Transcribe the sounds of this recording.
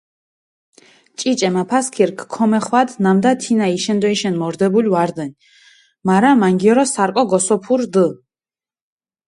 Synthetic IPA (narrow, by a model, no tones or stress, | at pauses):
t͡ʃʼit͡ʃʼɛmapʰaskʰiɾkʰkʰːɔmɛχwad̪namd̪at̪ʰinaiʃɛnd̪ɔiʃɛnmɔɾd̪ɛbuliwaɾd̪ɛn | maɾamaŋɡiɔɾɔsaɾkʼɔɡɔsɔpʰuɾd̪ə